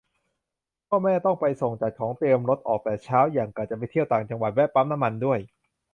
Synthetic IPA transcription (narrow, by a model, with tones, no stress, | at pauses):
kʰɔː˥˩mɛː˥˩t̪ɔ˥˩ŋpa˧jso˨˩ŋt͡ɕa˨˩kʰɔː˩˦ŋt̪i˧əmɾo˦˥t̪̚ʔɔː˨˩k̚pɛː˨˩t͡ɕʰaː˦˥wjaː˨˩ŋka˨˩t̚t͡ɕa˨˩p̬a˧jt̪ʰi˥˩əwt̪aː˨˩ŋt͡ɕa˧ŋwa˨˩t̪̚wɛ˦˥pa˦˥mna˦˥mːa˧ndu˥˩əj